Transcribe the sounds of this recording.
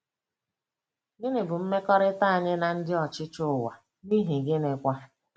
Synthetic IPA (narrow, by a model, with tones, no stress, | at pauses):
ɡɪ˦nɪ˨bʊ˨m̩˦me˦kɔ˦ɾɪ˦ta˦a˨ɲɪ˦na˨n̩˦dɪ˦ɔ˨t͡ʃɪ˦t͡ʃʊ˦˨wa˨ | ni˦ɦi˨ɡe˦ne˨kʷa˦